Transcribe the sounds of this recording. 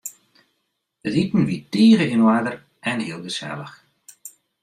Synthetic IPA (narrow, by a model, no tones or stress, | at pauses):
ətitn̩ʋitiːɣəɪnwaːd̪ər | ɛnhiəlˠɣəsɛ̰lˠəx